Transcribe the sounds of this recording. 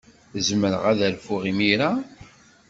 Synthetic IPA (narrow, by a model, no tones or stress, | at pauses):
zməɾə̰ʁæðælfʊʁimiɾa